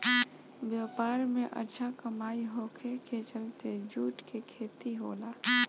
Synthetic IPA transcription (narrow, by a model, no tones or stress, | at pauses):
ʋjapaːɾmẽʔə̰ɾt͡ʃʰakəmaːiɦokʰeket͡ʃəlt̪ed͡ʒuːʈkekʰeːt̪iɦo̰ːlaː